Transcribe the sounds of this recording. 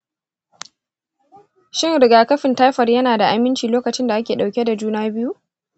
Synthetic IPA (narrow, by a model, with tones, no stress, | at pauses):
ʃɪ˦ŋɾɪ˨ɡaː˨kɐ˦ɸɪ˨ntaː˦jɸɐ˨rjɐ˦naː˨da˨ʔa˨mɪ˦nt͡ʃiː˨loː˦kɐ˨t͡ʃɪ˦nda˨ʔa˦kʲeː˨ɗa˨kʲe˦da˨d͡ʒuː˦naː˦bɪ˦ju˦ʔ